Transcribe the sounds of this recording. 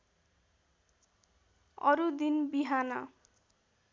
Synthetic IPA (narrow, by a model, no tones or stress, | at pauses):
ʌɾud̪inbiɦanʌ